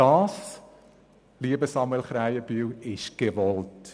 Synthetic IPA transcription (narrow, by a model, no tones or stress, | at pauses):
ɑːs | liəbəsɑmuɛlχɾæjəb̥yːwɪʃɡ̥eʋɔlt